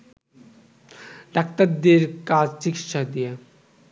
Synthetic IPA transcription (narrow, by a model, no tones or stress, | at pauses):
ɖ̪ak̚t̪ad̪eɾkad͡ʑt͡ɕikit̪ʃad̪ije